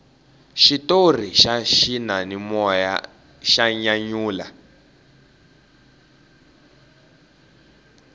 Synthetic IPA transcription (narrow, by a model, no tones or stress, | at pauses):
ʃitor̤iʃaʃinanimɔja̰ | ʃaɲaɲuːla̰